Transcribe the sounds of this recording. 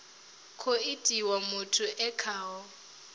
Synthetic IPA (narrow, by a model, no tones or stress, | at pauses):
kʰʊɪtʼiwamʊtʰʊʔɛkʰaːɔ